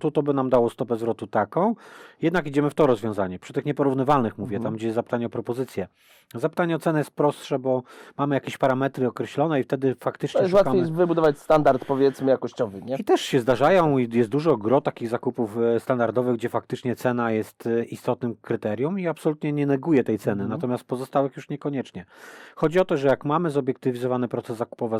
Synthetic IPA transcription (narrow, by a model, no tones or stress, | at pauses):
t̪ut̪ɔbɘnamd̪awɔst̪ɔpɛzvɾɔt̪ut̪akɔ̃w̃jɛd̪nakid͡ʑɛmɘft̪ɔɾɔzvʲjɔ̃w̃zaɲɛpʂɘt̪ɘxɲɛpɔɾuvnɘvalnɘxmuvʲjɛt̪amɡd͡ʑɛjɛzzapɘ̥t̪aɲɛɔpɾɔpɔzɘt̪sʲjɛ | zapɘ̥t̪aɲɛɔt̪sɛnɛjɛst̪̚pɾɔst̪ʂɛbɔmamɘjakʲeɕpaɾamɛt̪ɾɘɔkɾɛɕlɔnɛift̪ɛd̪ɘfakt̪ɘt͡ʂɲɛɛɛwatamjɛvɘbud̪ɔvat͡ɕst̪and̪aɾt̪pɔvʲjɛt̪smɘjakɔɕt͡ɕɔvɘɲɛit̪ɛʂɕɛzd̪aʐajɔ̃w̃ijɛst̪̚d̪uʐɔɡɾɔt̪akʲiɣzakupufst̪and̪aɾd̪ɔvɘɣɡd͡ʑɛfak̚t̪ɘt͡ʂɲɛt̪sɛnajɛst̪ist̪ɔt̪nɘmkɾɘt̪ɛɾʲjumiapsɔlut̪ɲɛɲɛnɛɡujɛt̪ɛjt̪sɛnɘnat̪ɔmʲjast̪̚pɔzɔst̪awɛxjuʂɲɛkɔɲɛt͡ʂɲɛxɔd͡ʑiɔt̪ɔʐɛjakmamɘzɔbʲjɛk̚t̪ɘvʲizɔvanɘpɾɔt̪ɛzːaku̥pɔvɛ